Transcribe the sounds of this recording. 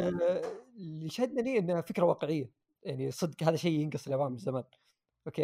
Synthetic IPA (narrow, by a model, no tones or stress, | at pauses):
liʃahɪd̪̚naniʔɪnːfɪkɾawɑːqɪʕɪjːa | jaʕnisˤɨd̪qhaːðaʃejːjɪnɡɨsˤlʔawaːmzamaːn | ʔokeː